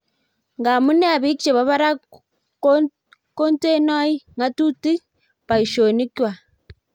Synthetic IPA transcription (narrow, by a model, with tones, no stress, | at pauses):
ŋɡa˨mu˦ne˦a˨βi˦t͡ʃe˨βa˦βa˦ɾa˦ | ko˦nte˦na˦i˦ŋa˦tu˦ti˦ | βa˨i˨ʃo˨ni˦kwa˨